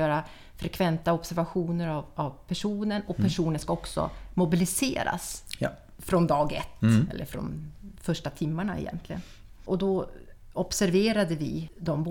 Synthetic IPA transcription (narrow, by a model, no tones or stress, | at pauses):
œːɾa | fɾɛkʰvɛnt̪aɔbsæɾvaɧuːnəɾavavpʰæʂuːnənɔpʰæʂuːnənskaɔksɔ̰mʊbɪlɪsḛːɾa̰s | fɾɔnd̪ɑːɡɛ̰t̪ːɛ̰lːə̰ɾfɾɔ̰nfœʂʈat̪ʰɪmːaɳaɪ̰jɛ̰nt̪ʰlɪɡən | ʔɔd̪ɔɔpsæɾveːɾad̪əvɪd̪ɔmb